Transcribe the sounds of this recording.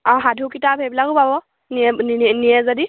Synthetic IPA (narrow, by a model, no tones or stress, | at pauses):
ɔɦadʱukitabʱɦɛbilakʊpabɔ | niɛninijɛzadi